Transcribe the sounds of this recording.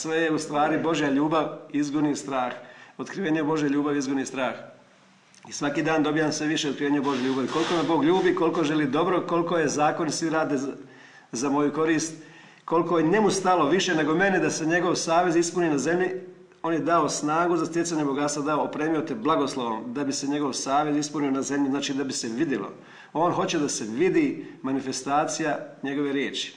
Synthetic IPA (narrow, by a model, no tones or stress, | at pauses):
sʋe̞jeust̪ʋaːɾibo̞ʒjaʎuːbaʋizɡunist̪ɾaːxo̞t̪kɾiʋeːɲebo̞ʒjeʎuːbaʋizɡunist̪ɾaːx | isʋakiːd̪aːnd̪o̞bijamsʋeʋiʃe̞t̪kɾiʋeɲebo̞ʒjeʎʲuːbaʋiko̞liko̞mabo̞ːɡʎuːbiko̞lko̞ʒe̞liːd̪o̞bɾo̞ko̞lko̞je̞zaːko̞nisʋiɾaːd̪e | zamo̞juko̞ɾiːst̪ | ko̞likoenemust̪alo̞ʋiʃe̞ne̞ɡo̞me̞ned̪aseɲe̞ɡo̞ʋsaːʋe̞zispuniːnaze̞mʎi | o̞ːnje̞d̪aosnaːɡuzast̪jesaɲebo̞ɡat̪st̪ʋad̪aoːpɾeːmijo̞t̪eblˠaɡo̞slˠoʋo̰md̪abise̞ɲe̞ɡo̞ʋsaːʋe̞zispunio̞naze̞mʎiznaːt͡ʃiːd̪abise̞ʋid̪jelo̰ | o̞ːnɦo̞t͡ɕed̪aseʋid̪imanife̞st̪aːt̪sijaɲe̞ɡo̞ʋe̞ɾjeːt͡ʃi̥